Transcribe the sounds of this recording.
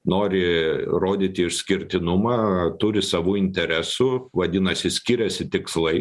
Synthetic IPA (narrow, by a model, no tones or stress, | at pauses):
noːɾʲɪɾoːd̪ʲiːt̪ʲɪɪʃsʲkʲɪɾʲt̪ʲɪnʊmɑːt̪ʊɾʲɪsɑʋuːɪnʲt̪ʲɛɾʲɛsʊʋɐd̪ʲɪnɐsʲɪsʲkʲiːɾʲɛsʲɪt̪ʲɪkslˠɐɪ